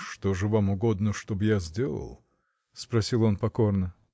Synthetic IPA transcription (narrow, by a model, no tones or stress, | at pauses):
ʂt̪oʐɨvamʊɡo̞d̪nəʂt̪obɨjazʲdʲelˠə̰lˠ | spɾɐsʲilˠo̞npɐko̞rnə